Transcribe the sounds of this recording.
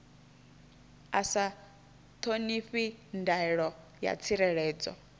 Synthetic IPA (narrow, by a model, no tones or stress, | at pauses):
asa | t̪ʰoniɸindaiɺɔ | ja̰t͡sʰiɾɛɺɛːd͡zɔ̰